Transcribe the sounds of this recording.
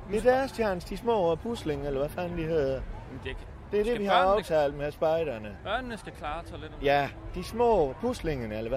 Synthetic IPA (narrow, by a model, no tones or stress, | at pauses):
e̝d̥æɐsdʰjænsd̥d̥ismɔ̰ːpʰusle̝ŋelɐʋæfænəd̥ihe̝ð̞̰ˠɐ̥ | d̥e̝ɐde̝ʋihɑ̈ɑ̈ʊt͡sʰɛ̰ːld̥mesb̥ɑ̈ɪɾ̥ɐnəb̥ɶɐnənəsɡ̥ækʰlɑːt͡sʰe̥jæd̥ismɔ̰ːpʰusle̝ŋənəelɐʋæ